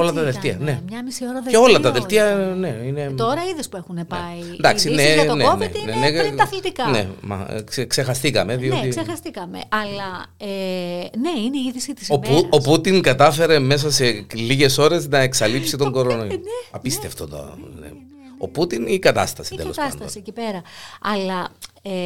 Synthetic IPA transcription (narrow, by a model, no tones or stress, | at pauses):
o̞lɐt̪ɐðelt̪iɐ̰nemɲɐmisioɾɐðeo̞lɐt̪ɐðelt̪iɐne̞ine̞t̪oɾɐiðispuexunenpɐind̪ɐksineneont̪neneɐθlit̪ikɐnḛmɐ̰ksekse̞xɐst̪ikɐme̞ðio̞t̪isexɐst̪ikɐmḛʔɐlɐene̞ineiiðisit̪isouoput̪iŋkɐt̪ɐfe̞ɾe̞me̞s̬ɐse̞liʝe̞so̞ɾe̞znɐeksɐlipsit̪oɡo̞ɾonoɐpist̪e̞ft̪ot̪o̰nḛ | o̞put̪inikɐt̪ɐ̰st̪ɐsit̪eost̪ɐsnt̪ɐo̰siecipe̞ɾɐɐlɐ | e